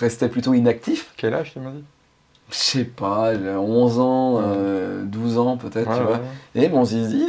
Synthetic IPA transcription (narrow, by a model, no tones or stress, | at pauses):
ʁɛst̪ɛplyt̪oinak̚t̪ifkʲɛlaʒt̪ymɛd̪i | ʃɛpalɔ̃zɑ̃ød̪uzɑ̃pøt̪ɛt̪t̪yvwaemɔ̃zizi